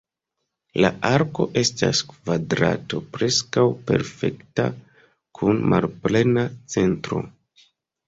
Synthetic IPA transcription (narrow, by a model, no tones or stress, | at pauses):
laʔaɾko̞ʔe̞staskvadɾa̰to̞pɾe̞skawpe̞̰ɾfe̞kta̰ | kʰunmʔalple̞nat͡se̞ntɾo̞̰